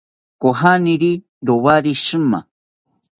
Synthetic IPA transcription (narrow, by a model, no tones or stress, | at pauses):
koɦaniɾi | ɾowaɾiʃɨma̰